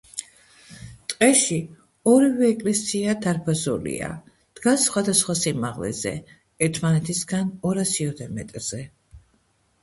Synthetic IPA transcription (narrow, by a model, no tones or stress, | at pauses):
t̪ʼqʼɛʃi | ɔɾivɛːkʼlɛsiad̪aɾpʰazṵlḭa̰ | d̪̥ɡasːχwad̪asχwasimaʁlɛ̰zɛ̰ | ɛɾt̪ʰmanɛt̪ʰisɡanɔɾasiɔt̪ʰɛmɛt̪ʼɾz̥ɛ